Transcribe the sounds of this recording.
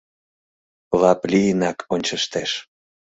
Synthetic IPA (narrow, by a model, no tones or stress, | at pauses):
lɑplʲijənɑkʰonʲt͡ɕəʃt̪eʃ